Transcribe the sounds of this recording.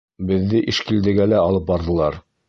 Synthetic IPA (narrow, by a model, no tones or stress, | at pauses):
bɘ̆ðːɘʔiʃkild̪ɘ̆ɡælæɑlˠɤp̚bɑɾðɤ̆lˠɑɾ